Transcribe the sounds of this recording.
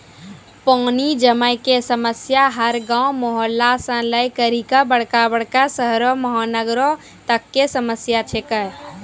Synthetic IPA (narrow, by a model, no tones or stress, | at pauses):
pɔːnid͡ʒəməɪkesəməsjaɦəɾɡãumoɦəlːasə̃ləjkəɾikabəɽ̤kabəɽkasəɦɾɔməɦanəɡɾõ | t̪əkːesəməsjat͡ʃʰekəɾ